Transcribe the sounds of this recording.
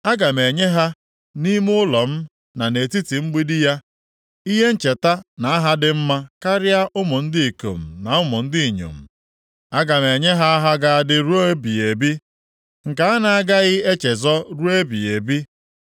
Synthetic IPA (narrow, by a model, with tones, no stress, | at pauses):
a˦ɡa˨me˨ɲe˦ɦa˦ | ni˦m˦ʊ˦lɔ˨m̩˦ | na˨ne˨ti˦ti˨ŋ͡m̩˦ɡ͡bi˦dɪ˦ja˦ | i˦ɦe˦n̩˦t͡ʃe˨ta˦na˨a˦ɦa˦dɪ˦m̩˦ma˦ka˦ɾja˦ʔʊ˦mʊ˨n̩˦dɪ˦i˨ko̰˨m̩˨na˨ʊ˦mʊ˨n̩˦di˦i˨ɲo̰˨m̩˨ | a˦ɡa˨me˨ɲe˦ɦa˦a˦ɦa˦ɡa˨a˦dɪ˦ɾu˦o˦bi˨e˨bi˦ | ŋ̩˨ka˨˦a˦na˨a˦ɡa˦ɣɪ˦e˦t͡ʃe˨zɔ˦ɾu˦e˦bi˨e˨bi˦